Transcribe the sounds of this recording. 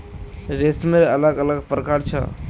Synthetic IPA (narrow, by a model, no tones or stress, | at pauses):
ɾesmeələɡələɡpɾəkaɾt͡ʃʰə̰